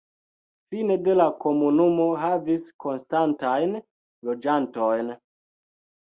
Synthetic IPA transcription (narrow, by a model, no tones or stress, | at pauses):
fine̞de̞lako̞munumo̞ɦavisko̞nstantajn | lo̞d͡ʒanto̞jn